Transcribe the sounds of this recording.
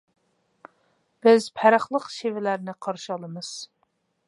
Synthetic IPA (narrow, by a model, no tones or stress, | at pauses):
b̥ɪzpʰæɾɑχlˠəqʃevɪlæɾnɪqʰɑɾʃɨɑlˠəmɨz̥